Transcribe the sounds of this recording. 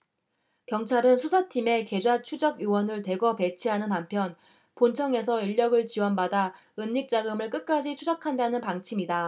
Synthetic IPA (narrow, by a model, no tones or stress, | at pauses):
kjʌŋt͡ɕʰaɾɯnsʰusʰatʰime̞ke̞d͡ʑwat͡ɕʰud͡ʑʌɡjowʌnɯɭte̞ɡʌpe̞t͡ɕʰiɦanɯnampʰjʌn | pont͡ɕʰʌŋe̞sʰʌiʎːʌɡɯɭt͡ɕiwʌnbada | ɯnːik̚t͡ɕ͈aɡɯmɯɭk͈ɯk̚k͈ad͡ʑit͡ɕʰud͡ʑakʰandanɯnpaŋt͡ɕʰimida